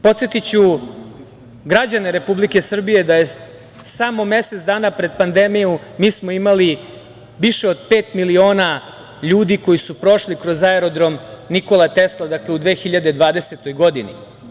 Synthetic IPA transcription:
po̞t̪sje̞t̪it͡ɕu | ɡɾad͡ʑane̞ɾe̞publike̞sr̩bije̞d̪aje̞ | samo̞me̞set̪sd̪aːnapɾe̞d̪̚pand̪emijumiːsmo̞imali | ʋiʃeod̪̚pe̞ːt̪milio̞ːna | ʎuːd̪iko̞jisupɾo̞ʃlikɾozaeɾo̞d̪ɾo̞mniko̞lˠat̪e̞slˠad̪akleud̪ʋe̞ːxiʎad̪ed̪ʋaːd̪e̞se̞t̪o̞jɡo̞d̪inḭ

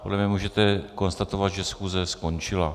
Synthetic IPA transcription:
podlɛmɲɛmuːʒɛt̪ɛko̞nst̪at̪ovat̪ʒɛsxuːzɛsko̞nt͡ʃɪla

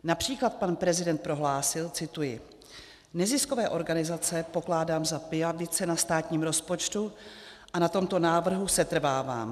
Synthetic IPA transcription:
napr̝̥iːklat̪̚panpɾɛzɪdɛnt̪̚pɾo̞ɦlaːsɪlt͡sɪt̪ujɪ | nɛzɪskovɛːʔo̞ɾɡanɪzat͡sɛpo̞klaːdaːmzapɪavɪt͡sɛnast̪aːt̪ɲiːmɾo̞spo̞t͡ʃt̪u | ʔanat̪o̞mt̪o̞naːvr̩ɦusɛt̪r̩vaːva̰ːm

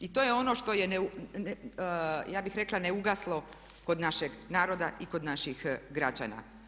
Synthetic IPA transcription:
it̪ojeo̞no̞ʃt̪o̞jeneu | jaːbixɾe̞klˠaneuɡaslˠo̞ | ko̞d̪naʃeɡnaːɾo̞d̪aʔiko̞d̪naʃixɡɾad͡ʑa̰na̰

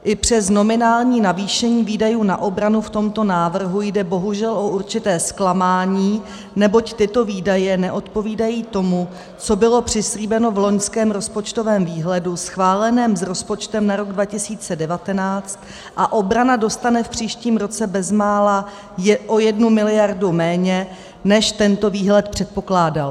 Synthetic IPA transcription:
ʔɪpr̝̥ɛsno̞mɪnaːlɲiːnaviːʃɛɲiːviːdajuːnaʔo̞bɾanuft̪o̞mt̪o̞naːvr̩ɦujdɛbo̞ɦuʒɛlʔo̞ʔuɾt͡ʃɪt̪ɛːsklamaːɲiː | nɛbo̞ct̪ɪt̪o̞viːdajɛnɛʔo̞t̪po̞viːdajiːt̪o̞mu | t͡so̞bɪlo̞pr̝̥ɪsliːbɛno̞vlo̞ɲskɛːmɾo̞spo̞t͡ʃt̪o̞vɛːmviːɦlɛdusxvaːlɛnɛːmzɾo̞spo̞t͡ʃt̪ɛmnaɾo̞ɡdvacɪsiːt͡sɛdɛvat̪ɛnaːt͡st̪ | ʔaʔo̞bɾanado̞st̪anɛfpr̝̥iːʃciːmɾo̞t͡sɛbɛzmaːla | ʔo̞jɛdnumɪlɪjaɾdumɛːɲɛ | nɛʃt̪ɛnt̪o̞viːɦlɛt̪pr̝̥ɛt̪̚po̞klaːdal

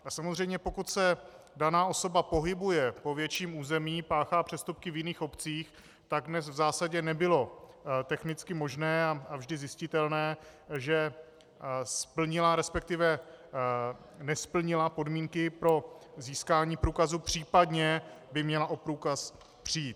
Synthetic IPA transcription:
asamozrɛjmɲɛpo̞kut̪sɛ | danaːʔo̞so̞bapo̞ɦɪbujɛpo̞vjɛt͡ʃiːmuːzɛmiːpaːxaːpr̝̥ɛst̪up̚kɪvjɪniːxo̞pt͡siːx | t̪aɡ̚dnɛsvzaːsaɟɛnɛbɪlo̞t̪ɛxnɪt͡skɪmo̞ʒnɛːaavʒdɪzɪscɪt̪ɛlnɛːʒɛ | spl̩ɲɪlaɾɛspɛk̚t̪ɪvɛ | nɛspl̩ɲɪlapo̞dmiːŋkɪpɾo̞ziːskaːɲiːpɾuːkazupr̝̥iːpadɲɛbɪmɲɛlaʔo̞pɾuːkas | pr̝̥iiːt̪

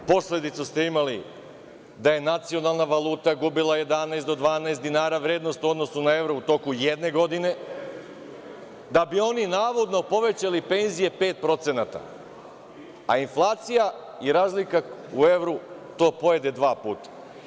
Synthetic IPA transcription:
po̞slʲe̞d̪it̪sust̪e̞imali | d̪aje̞nat̪sio̞nalˠnaʋalˠuːt̪aɡubilˠaje̞d̪anaeso̞d̪ʋaːnaest̪d̪inaːɾaʋɾe̞ːd̪no̞st̪uo̞d̪no̞sunae̞ʋɾout̪o̞kujed̪ne̞ɡo̞d̪ine̞ | d̪abio̞ninaːʋo̞d̪no̞po̞ʋe̞t͡ɕalipe̞nzije̞pe̞ːt̪̚pɾo̞t̪se̞nat̪a̰ | a̰inflˠaːt̪sija | iɾaːzlikaue̞ʋɾut̪o̞ːpo̞jed̪e̞d̪ʋaːpuːt̪ḁ

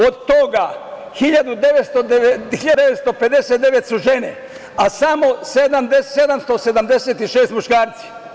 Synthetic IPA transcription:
od̪t̪oɡa | xiʎad̪ud̪eʋet̪st̪oeiʎad̪eʋet̪st̪o̞ped̪eset̪d̪eʋet̪suʒenḛ | asamosed̪amd̪esed̪amst̪o̞se̞d̪amd̪eset̪iʃeːst̪muʃkaːɾt̪si̥

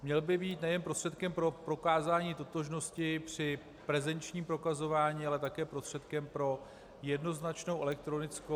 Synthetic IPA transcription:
mɲɛlbɪbiːt̪nɛjɛnpɾo̞str̥ɛt̪kɛmpɾo̞pɾo̞kaːzaːɲiːt̪o̞t̪o̞ʒno̞scɪpr̝̥ɪ | pɾɛzɛnt͡ʃɲiːmpɾo̞kazo̞vaːɲiːalɛt̪akɛːpɾo̞st̪r̥ɛt̪̚kɛmpɾo̞ | jɛdno̞znat͡ʃno̞wʔɛlɛk̚t̪ɾo̞nɪt͡sko

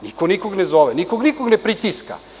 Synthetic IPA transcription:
nikonikoɡnɛzoʋɛnikoɡnikoɡnepɾit̪iska̰

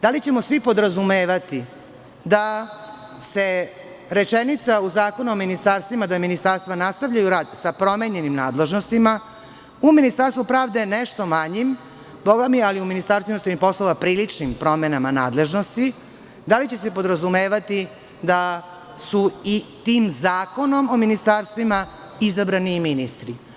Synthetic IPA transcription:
d̪alit͡ɕe̞mosʋipo̞d̪ɾazumeːʋat̪i | d̪a | se̞ | ɾe̞t͡ʃenit̪sauzaːko̞nuominist̪aɾst̪ʋimad̪aminist̪aɾst̪ʋanast̪aʋʎajuɾaːd̪sapɾo̞meɲe̞nimnaːd̪le̞ʒno̞st̪ima | uminist̪aɾst̪ʋupɾaːʋd̪e̞neʃt̪o̞maɲim | boɡamialiuminist̪aɾst̪inosenipo̞slˠoʋapɾiːlit͡ʂnimpɾo̞menamana̰ːd̪le̞ʒno̞st̪i | d̪alit͡ɕe̞se̞po̞d̪ɾazumeːʋat̪i | d̪a | suit̪iːmzaːko̞no̞mo̞minist̪aːɾst̪ʋima | izabɾaniminist̪ɾi

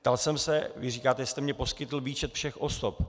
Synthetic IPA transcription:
p̚t̪alsɛmsɛvɪriːkaːt̪ɛjɛst̪ɛmɲɛpo̞skɪt̪l̩viːt͡ʃɛt̪fʃɛxʔo̞sop̚

